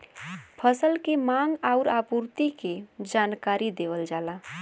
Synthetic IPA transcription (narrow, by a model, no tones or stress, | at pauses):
pʰəsəlkemaŋɡaʊɾapuɾt̪iked͡ʒankaɾid̪ebəld͡ʒala